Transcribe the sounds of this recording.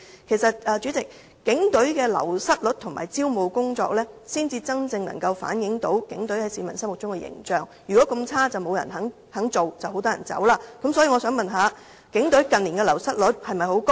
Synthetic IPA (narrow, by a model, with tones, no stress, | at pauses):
kʰe˨˩jsɐ˨t̚ɛː˨˧t͡ʃyː˨˥t͡sɪ˨k̚ | kːɪ˨˥ŋt̪ɵ˨˥ɥkɛː˧lɐ̰˨˩wsɐ˥t̚lɵ˨˥t̚t̪ʰŋma̰ː˨˩jt͡siː˥wmo˨˧wkʊ˥ŋt͡sɔ̰ː˧k̚lɛː˥siː˥nt͡siː˧t͡sɐ˥ŋt͡sɪ˧ŋnɐ̰˨˩ŋkɐ˧wfa̰ː˨˥njɪ˨˧˥ŋt̪o˨˥wkɪ˨˥ŋt̪ɵ˨˥ɥhɐ˨˥jsiː˨˧mɐ˨˩nsɐ˥mʊ˨k̚t͡ʃʊ˥ŋkɛ˧jɪ̰˨˩ŋt͡ʃœː˨ŋ | jyː˨˩kɔː˨˥kɐ˧mt͡sʰaː˥t͡sɐ˨wmo˨˧wjɐ̰˨˩nɦɐ˨˥ŋ | hɐ˨˥ŋt͡so˨wt͡sɐ˨who˧˥t̪ɔː˥jɐ̰˨˩nt͡sɐ̰˨˥wlaː˧˥kɐ˨˥msɔː˨˥jiː˧ŋɔ˨˧sœː˨˥ŋmɐ˨nɦaː˨˧ | kɪ˨˥ŋt̪ɵ˨˥ɥkɐ˨nliː˨˩nkɛː˧lɐ˨˩wsɐ˥t̚lɵ˨˥t̚hɐ˨jmɐ˨˩jho˨˥wko˥